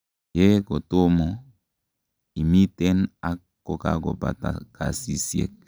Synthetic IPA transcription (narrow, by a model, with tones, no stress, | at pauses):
je˦kɔ˨to˦mɔ˨ | i˨mi˦tɛ˦na˦kːɔ˦ka̰˦kɔ̰˨pa̰˨ta̰˨ka̰˨si˦siḛ˨k̚